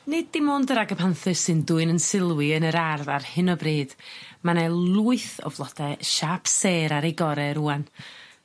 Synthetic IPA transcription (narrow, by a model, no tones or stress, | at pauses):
nɪddimoːndəɾaɡəpʰanθɨsɨnduːɨnənsɪlˠwɪənəɾarðarhɨnɔbriːd̥manɛlˠuːɨθɔ̰vlˠɔd̥ɛʃapseːɾaɾejɡɔɾɛɾuːan